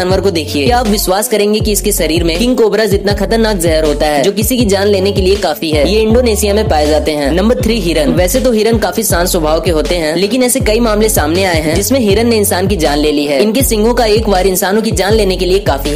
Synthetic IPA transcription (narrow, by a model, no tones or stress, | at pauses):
aːnʋəɾkod̪eːkʰieːiaːpʋɪʃwaːskɐɾẽːŋɡekiɪskeʃɐɾiːɾmẽkɪ̃ŋkoːbɾəzɪt̪naxɐt̪əɾnaːkzɐɦɛɾɦoːt̪aɦɛːd͡ʒoːkɪsikid͡ʒaːnleːnekeliekaːfiɦɛːjeɪ̃ɳɖoːneːsijamẽpaːed͡ʒaːt̪eɦɛ̃ːnɐ̃mbəɾt̪ʰɾiːɦiːɾənʋɛːset̪oɦiːɾənkaːfisaːnswɐbʱaːʋkeɦoːt̪eɦɛ̃leːkɪnɛːsekɐimaːmlẽsaːmneaːeɦɛ̃d͡ʒɪsmẽɦiɾənːeɪnsaːnkid͡ʒaːnleːliɦɛːɪnkesɪ̃ŋɡʱõkaeːkʋaːɾɪ̃nsaːnõkid͡ʒaːnleːnekeliekaːfiɦɛ